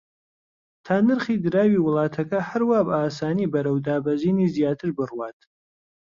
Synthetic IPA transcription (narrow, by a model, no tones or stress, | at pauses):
t̪ʰaːnɨɾχiːd̪ɨɾaːwiwʊlˠɑːt̪ʰɐkɐhɐɾwaːbaːsaːniːbɐɾɐwd̪aːbɐziːniːzjaːt̪ʰɨɾbɨrwaːt̪